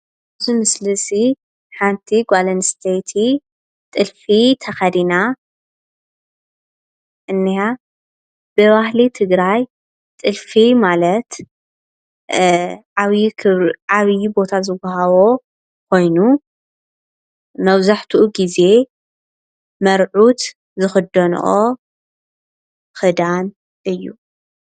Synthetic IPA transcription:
ʔɨzimɨslɨsi | ħant̪ʰiɡʷalɐnst̪ʰejt̪ʰi | t̪ʼɨlfit̪ʰɐxɐd̪ina | ʔɨnːija | b̥ɨβahlit̪ʰɨɡɾaj | t̪ʼɨlfimalɐt̪ | ʕaβkʰɨʕaβjbo̞t̪ʰazɨɡɐɦɐβo̞ | kʷʰo̞jnu | mɐβzaħt̪ʰuʔuɡize̞ | mɐɾʕut̪ | zɨxɨd̪ːɐn̰ʔo | xɨd̪an | ɨjːu

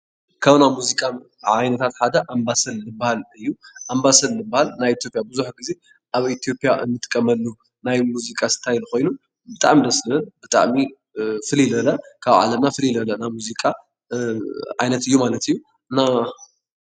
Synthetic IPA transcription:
kʰaβnamuzikʼa | ʕajnɐt̪ʰat̪ħad̪ɐʔambasɐlːɨbahalɨjːuʔambasɐlːɨbːahalnajit̪ʰjo̞pʼjabɨzuħɡize̞ | ʔaβit̪ʰijo̞pʼjaʔɨ̰nːɨt̪ʼɨkʼːɐmɐlːu | najmuzikʼasɨ̥t̪ʰajlxo̞jnu | bɨt̪ʼa̰ʕmid̪ɐslɨɨnbɨt̪ʼa̰ʕmi | fɨlilɐlɐkʰaβʕa̰lɐmnafɨlilɐlɐnamuzikʼa | ʕa̰jnɐt̪ɨjːumalɐt̪ɨjːu | ɨnːa

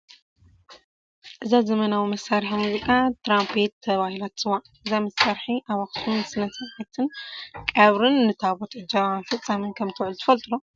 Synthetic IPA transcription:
ʔɨzazɐmɐnawimɐsːaɾħimuzikʼat̪ʰɾampʰet̪ʰːɐβahilat̪sɨwaʔɨzamɐsːaɾħiʔaβaxsʰʼunsɨnɐsɐʕat̪ʰɨnkʼaβɾɨnːɨt̪ʰaβot̪ʕɨd͡ʒaβafɨt͡sʼːamɨnkʰɐmt̪ʰɨwʕɨlut̪ʰɨ̥fɐlt̪ʼɨlo

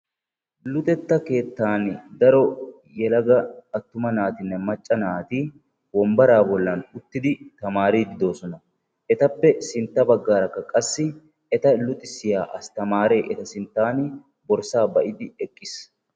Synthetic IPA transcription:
lʊt̪ʼɛt̪ːɐke̞ːt̪ːaːnd̪ɐɾɔ | jɛlɐɡɐɐt̪ːʊmɐnaːt̪ɪnːɛmɐt͡ʃʼːɐnaːt̪iː | wɔmbɐɾaːbɔlːɐnʊt̪ːɪd̪ɪt̪ɐmaːɾiːd̪ɪd̪o̞ːsɔnɐ | ʔɛt̪ɐpːɛsɪnt̪ːɐbɐɡːaːɾɐkːɐkʼɐsːɪ | ɛt̪ɐlʊt̪ʼɪsɪjaːʔɐst̪ɐmaːɾe̞ːʔɛt̪ɐsɪnt̪ːaːn | bɔɾsaːbɐʔɪd̪ɪɛkʼːɪs

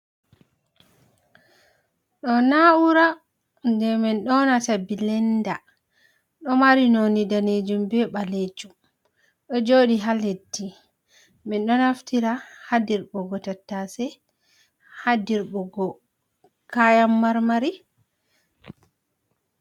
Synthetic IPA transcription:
ɗɔnauɾa | ndɛmɛnɗɔnatabilɛnda | ɗɔmaɾinonidaned͡ʒumbɛɓaled͡ʒum | ɗɔd͡ʒoɗiɦaledːi | mɛnɗɔnaftiɾahadiɾɓɔɡɔtatːasɛ | hadiɾbɔɡɔ | kajamːaɾmaɾi

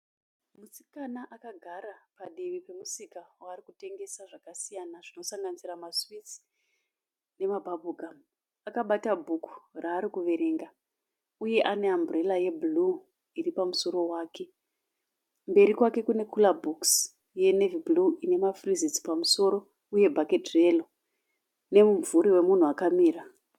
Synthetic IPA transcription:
musi̥kanaʔakaɡʱaɾapaɗiʋipe̞musikawaːrikute̞ŋɡe̞saʐakasijanaʐ̥ino̞saŋɡanisiramaswit͡s | ne̞mabʱabʱuɡʱam | akaɓatabʱuku̥raːɾikuʋe̞ɾe̞ŋɡa | uje̞ʔane̞ambre̞laje̞bulu | iripamuso̞ɾo̞waːke̞ | mbe̞ɾikwake̞kune̞kulabuks | je̞ne̞vibluine̞mafrizit͡si̥pamuso̞ɾo̞ | uje̞bʱaketre̞lo | ne̞muvuɾiwe̞mun̤uakamiːɾa

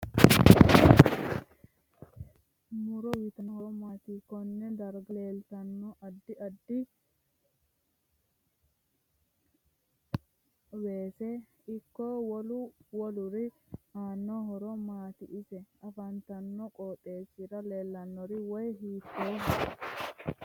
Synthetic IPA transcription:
nʊɾɔwiːt̪ɐnɔhɔmaːt̪ikɔnːɛd̪ɐɾɡle̞ːlt̪ɐnːɔʔɐd̪ːɪɐd̪ːɪ | we̞ːsɛ | ɪkːɔwɔlʊwɔlʊɾɪ | aːnːɔɦɔɾɔmaːt̪ɪʔɪsɛɐfɐnt̪ɐnːɔkʼɔːt̪ʼe̞ːsɪɾɐleːlːɐnːɔɾɪwɔjhiːt̪ːoːm

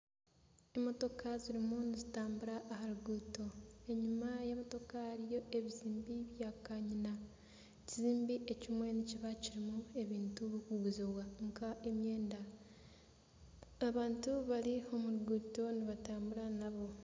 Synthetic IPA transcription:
emo̞to̞kʰaziɾimunizitaːmbuɾaʔːɦaɾuɡuːto̞e̞ɲimajamoto̞kaaɾijo̞e̞βiziːmbiβjakaɲina | ciziːmbiʔe̞cimwe̞niciβaciɾimue̞βiːntuβukuɡuzoβwaŋkaʔemje̞ːnda | aβaːntuβaɾio̞muɾuɡuːto̞niβataːmbuɾanaβo̞

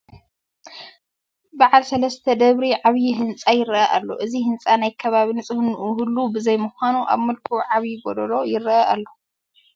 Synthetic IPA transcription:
baʕalsɐlɐst̪ʰɐd̪ɐβɾiʕaβjiɦɨnt͡sʼajɪɾɐʔɐʔa̰lːoʔɨzihɨnt͡sʼanajkʰɐβaβinɨsʼɨhɨnʔuhulːubɨzɐjmuxanuʔa̰βmɨlkʰuʕaβjiɡod̪lo̞jɪɾːɐʔɐʔalːo

